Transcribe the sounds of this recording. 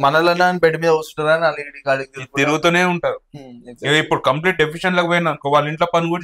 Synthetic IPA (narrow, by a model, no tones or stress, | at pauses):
mɐnɐlɐnaːnbeɖimiːd̪ɐɐst̪uʈunaːnɐliɽikaːlikt̪iɾt̪iɾuɡut̪uːneːuɳʈaːɾueipːuɽukɐmpliːʈ̚ɖepʰiʂɐnlokipoːjɐnaːnukoːʋaːɭːiɳʈloːpɐnuɡuɽ